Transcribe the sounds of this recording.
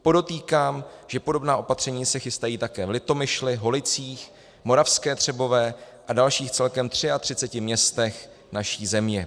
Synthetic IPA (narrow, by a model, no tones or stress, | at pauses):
po̞do̞t̪iːkaːmʒ̥ɛpo̞do̞bnaːʔo̞pat̪r̝̥ɛɲiːsɛxɪst̪ajiːt̪akɛːvlɪt̪o̞mɪʃlɪɦo̞lɪt͡siːx | mo̞ɾafskɛːt̪r̝̥ɛbo̞vɛː | ʔadalʃiːxt͡sɛlkɛmt̪r̝̥ɪat̪r̝̥ɪt͡sɛcɪmɲɛst̪ɛx | naʃiːzɛmɲɛ